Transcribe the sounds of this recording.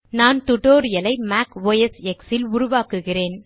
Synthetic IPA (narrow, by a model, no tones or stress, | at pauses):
naːnt̪ʊʈoːɾɪjɐlɐɪmaːkʋoːjɛsɛksɪlʊɾʊʋaːkɯɣɪreːn